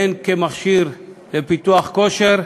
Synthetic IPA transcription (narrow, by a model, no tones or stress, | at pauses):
enkemaχʃiʁlepit̪uaχko̞ʃeʁ